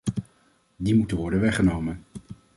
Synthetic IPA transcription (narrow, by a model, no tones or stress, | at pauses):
dimutəʋɔɹdənʋɛχənowmən